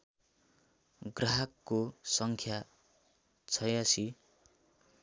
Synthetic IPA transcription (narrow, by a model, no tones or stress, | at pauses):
ɡraɦʌkːosʌŋkʰja | t͡sʰʌjasi